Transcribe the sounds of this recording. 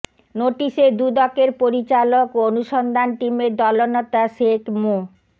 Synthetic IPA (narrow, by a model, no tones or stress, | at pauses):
noʈiʃed̪ud̪ɔkeɾpoɾit͡ɕalokoonuʃɔnd̪ʱanʈimed̪ɔlonet̪aʃekmo